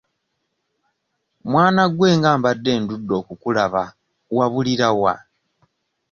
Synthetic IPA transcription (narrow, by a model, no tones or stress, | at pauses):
mwaːnaɡwe̞ːŋɡaːmbadːe̞ːndudːo̞ːkukulaβa | waβuliɾawa̰